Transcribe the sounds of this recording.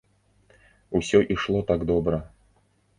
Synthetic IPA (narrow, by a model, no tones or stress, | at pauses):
usʲɔʔiʂlˠɔt̪aɡd̪ɔbɾə